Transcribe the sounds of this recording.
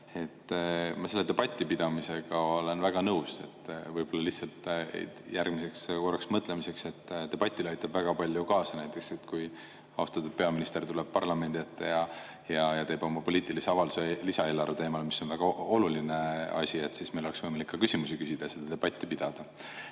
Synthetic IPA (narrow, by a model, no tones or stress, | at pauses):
e̞t̪ːmɑse̞lːe̥e̞b̥ɑt̪ʲːˑipid̪̥ɑmise̞ɡ̥ɑo̞le̞nvæɡ̥ɑnɤwse̞̰t̪ːvɤjb̥o̞lːɑlihsɑlt̪ˑḛjærɡ̥mise̞kskorɑksmɤt̪ːˑlemise̞kse̞t̪ːt̪e̞b̥ɑt̪ʲːˑilɑjt̪ːˑɑb̥væɡ̥ɑpɑlʲjukɑːsɑnæjt̪ːˑe̞kse̞t̪kuj | ɑust̪ɑt̪ːud̪̚pe̞ɑminist̪e̞rt̪uleb̚pɑrlɑme̞nd̪it̪ˑːejɑ | jɑjɑt̪e̞ːbo̞mɑpo̞liːt̪ˑiliseɑvɑld̪u̥selisɑe̞ːlːɑɾet̪e̞ːmɑlmiso̞nvæɡ̥ɑo̞lulineɑ̰sʲie̞t̪sismejlo̞leksvɤjmɑlikːɑkysʲimusikysʲid̪̥ɑjɑsed̪̥ɑd̪e̞b̥ɑt̪ʲːˑipid̪̥ɑd̪̥ɑ